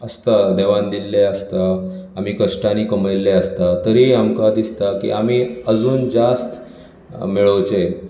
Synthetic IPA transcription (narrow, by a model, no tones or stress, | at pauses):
əst̪ad̪eʋand̪ilːeəst̪a | am̤iːkəʂʈaniːkəmelːeəst̪at̪əɾiamkad̪ist̪akḭamiːəd͡zuːnd͡zast̪ | miɭəʋt͡se